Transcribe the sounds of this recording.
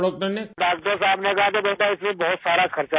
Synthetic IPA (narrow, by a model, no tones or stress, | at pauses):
ɽoːk̚d̪ɐneɖaːkd̪osaːbnekɐɦat̪̬ebɐt̪aɪsmẽbɔɦʊt̪saːɾakʰɐɾt͡ʃa